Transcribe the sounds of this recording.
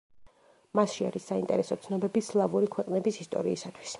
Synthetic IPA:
masʃia̰ɾisːaint̪ʼɛɾɛsɔt̪sʰnɔbɛbislˠavuɾikʰwɛqʼnɛbisist̪ʼɔ̰ɾiːsat̪ʰwi̥s

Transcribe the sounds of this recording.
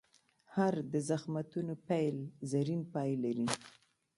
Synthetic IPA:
haɾd̪əzaxmat̪unopajlzaɾinpɑjlaɾi

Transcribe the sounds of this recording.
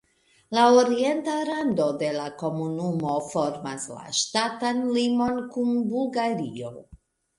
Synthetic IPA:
laoɾie̞ntaɾando̞de̞lako̞munumo̞fo̞ɾma̰sla̰ʃtatanlimo̞nkunbulɡaɾio̞

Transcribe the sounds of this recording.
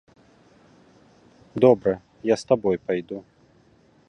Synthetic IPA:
d̪ɔbɾɛ | jast̪abɔjpajd̪u

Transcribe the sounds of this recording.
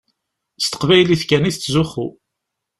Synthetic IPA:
st̪ə̥qvæjliθkæniθːzuχu

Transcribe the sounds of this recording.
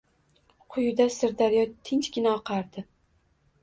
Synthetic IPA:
qʰʊjʊd̪asɪɾd̪aɾɪjɒt̪ʰɪnt͡ʃɡʲɪnaɒqʰɑɾd̪ɪ

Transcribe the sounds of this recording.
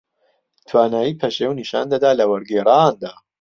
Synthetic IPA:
t̪ʰwaːnaːjiːpʰɐʃeːwniʃa̰ːnd̪ɐd̪aːlɐwɐɾɡeːɾaːnd̪aː

